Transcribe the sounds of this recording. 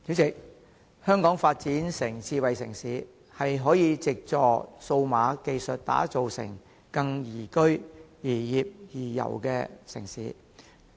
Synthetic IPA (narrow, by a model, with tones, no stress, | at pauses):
t͡siː˨˥t͡sɪ˨k̚ | hœː˥ŋkɔː˨˥ŋfaː˧t̚t͡siː˨˥nsɪ˨˩ŋt͡sʰiː˧wɐ˨jsɪ˨˩ŋsiː˨˧˥ | hɐ˨jɦɔː˨˥jiː˧t͡sɪ˨k̚t͡sɔː˨so˧wmaː˨˧ke˨jsɵ˨t̚t̪a̰ː˨˥t͡so˨wsɪ̰˨˩ŋ | kɐ˧ŋjiː˨˩kɵ˥ɥjiː˨˩jiː˨p̚jiː˨˩jɐ̰˨˩wkɛ̰ː˧sɪ̰˨˩ŋsiː˨˥